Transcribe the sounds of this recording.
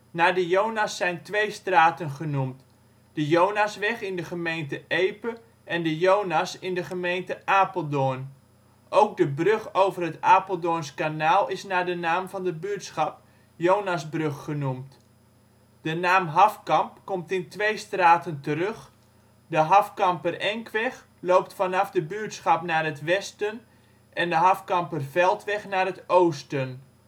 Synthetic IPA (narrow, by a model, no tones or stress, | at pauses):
naːdəjownasːɛjntʋejstraːtənχənumt | d̥əjownasʋɛχɪndəχəmejntəʔejpə | ɛndəjownasɪndəχəmejntəʔaːpəlˠdʊːn | ʔowk̚dəbrøχowvərɦətaːpəlˠdʊːnskanaːlˠɪsnaːdənaːmvɑndəbyətsχɑp | joːnasbrøxːənumt | d̥ənaːmɦɑfkɑmpkomtɪntʋejstraːtəntərøx | dəɦɑfkɑmpərɛŋkʰʋɛx | lowp̚tfɑnɑfdəbyətsχɑpnaːrətʋɛstən | ʔɛndəɦɑfkɑmpərvɛlˠtʋɛχnaːrətoːstən